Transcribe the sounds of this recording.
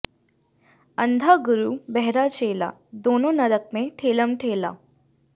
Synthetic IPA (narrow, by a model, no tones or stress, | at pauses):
ə̃nd̪ʱaɡʊɾubɛɦɾat͡ʃeːla̰d̪oːnõnɐɾək̚mẽʈʰeːləmʈʰeːla̰ː